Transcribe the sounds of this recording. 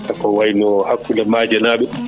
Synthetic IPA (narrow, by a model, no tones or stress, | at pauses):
kakɔwajnɔhakːulamaːd͡ʒanaːɓɛ